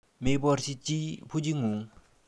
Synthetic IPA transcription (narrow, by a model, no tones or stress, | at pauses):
mepaɕit͡ɕimpʰod͡ʑiŋoŋ